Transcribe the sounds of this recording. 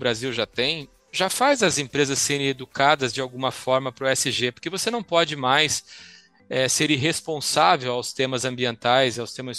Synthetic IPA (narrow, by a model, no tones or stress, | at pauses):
bɾaziwʒat̪ẽj̃ | ʒafajzɐzẽpɾezɐsːeɾẽed̪ukad̪ɐzd͡ʒɪawɡũmɐfɔɾmɐpɾʊɛsɪʒepoɾkevosenɐ̃w̃pɔd͡ʒɪmajs | ɛseɾɪ̃ɦespõsavewawst̪ẽmɐzɐ̃mbiẽnt̪ajzɪawst̪ẽmɐs